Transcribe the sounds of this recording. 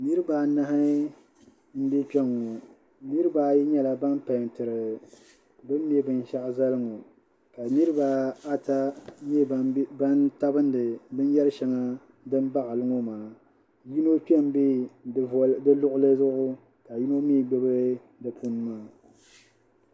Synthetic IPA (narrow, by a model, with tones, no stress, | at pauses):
nɨ˦ɾɨ˦ba˨na˦hɨ˦ | m̩˦bɛ˦k͡pɛ˦ŋːo˨ | nɨ˦ɾɨ˦ba˨ji˦ɲɛ˦la˨ba˦npa˨n˨tɨ˨ɾɨ˨ | bɨ˦mː˦ɛ˦bɨ˨n˦ʃa˦ʔza˦lɨ˦ŋo˨ | ka˨nɨ˦ɾɨ˦ba˨a˦ta˦ɛ˦ba˦nta˦bɨ˦n˦dɨ˨bɨ˦n˦jɛ˦ɾɨ˦ʃɛ˨ŋa˦ | dɨ˦m˦ba˦ʔa˨lɨ˦ŋo˦maː˨ | ji˦no˦k͡pɛ˦m˦bi˦˨ | dɨ˦lʊ˦ʔʊ˦lɨ˦zʊ˦ʔʊ˦ | ka˨ji˦no˦miː˦ɡ͡bɛ˦bɨ˦ | dɨ˨pʰu˦n˦maː˦˨